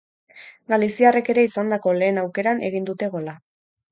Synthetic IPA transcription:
ɡalisiare̞ke̞ɾe̞isand̪ako̞le̞ːnawke̞ɾanʔe̞ɣ̞ind̪ut̪e̞ɣo̞la

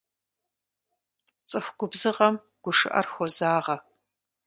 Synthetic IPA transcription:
t͡sʼɨxʷɡʷʊbzɨʁɐm | ɡ̥ʷʊʂɨ̰ʔɐ̰rxʷɔzaːʁɐ

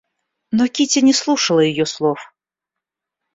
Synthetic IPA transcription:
nɔkʲitʲɐnʲɛslˠuʂəlˠəjɪjɔslˠɔf

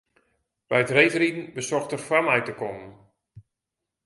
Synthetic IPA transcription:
b̥ɛjətrejvəridn̩bəsɔxtərfamɛjtəkɔmən

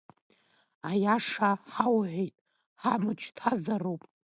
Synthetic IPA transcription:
ajaʂaħawʕʷejtʼ | ħamɨt͡ʃʰtʰazarowpʼ

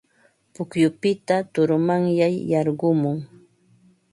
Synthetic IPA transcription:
pʊkjʊpɪt̪at̪ʊɾʊmaŋjajːɑɾɢʊmʊŋ

